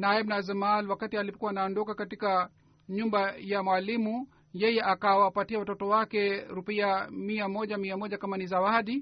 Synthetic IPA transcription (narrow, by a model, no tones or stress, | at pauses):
naɛbnazɛmalwakatialipɔkuwaːnaɔndɔkakatika | ɲumbajamwalimu | jɛjɛʔakawapatiawatɔtɔwakɛɾupiamiamɔʄamiamɔʄakamanizawaɗi